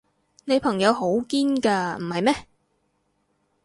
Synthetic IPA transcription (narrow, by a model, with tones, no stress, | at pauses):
ne˨˧jpʰɐ˨˩ŋjɐ˨˧wɦo˨˥wkiː˥nkaː˧m̩˨˩hɐ˨jmɛː˥